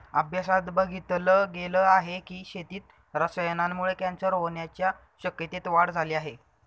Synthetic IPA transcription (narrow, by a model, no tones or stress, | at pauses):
əbʱjasat̪bəɡʱit̪ləɡeləːaɦekiːɕet̪iːt̪̚ | ɾəsəjənanːuɭekãnt͡səɾɦoɳjat͡ɕja | ɕəkjət̪et̪ʋaɽd͡zʱaliːaɦe